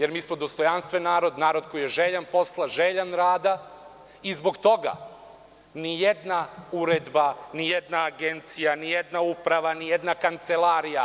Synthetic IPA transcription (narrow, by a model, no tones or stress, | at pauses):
je̞ɾmiːsmod̪o̞st̪o̞janst̪ʋenːaːɾo̞d̪naːɾo̞d̪ko̞jijeʒeʎanpo̞slˠaʒeʎanɾaːd̪a | izbo̞ɡt̪o̞ɡa̰ | nijed̪nauɾed̪banijed̪naːɡent̪sijanijed̪naupɾaʋanijed̪nakant̪selˠaɾija